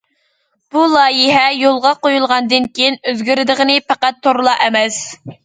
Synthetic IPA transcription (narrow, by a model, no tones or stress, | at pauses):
b̥ulˠɑːjɪɦɛjolˠʁɑqojulˠʁɑnd̪ɨnkʲʰejinøzɡʲyɾɪd̪əʁənɪpæqæt̪ʰːoɾlˠɑʔɛmɛs